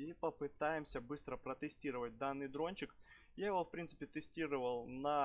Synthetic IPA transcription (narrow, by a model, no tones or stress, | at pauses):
ipəpɨt̪ajɪmsʲəbɨst̪ɾəpɾət̪ɨsʲtʲiɾəvət̚ʲd̪anːɨjd̪ɾonʲt͡ɕɪk | jajɪvofpɾʲint̪sɨ̥pʲɪt̪ɨsʲtʲiɾɨvəlˠnɐ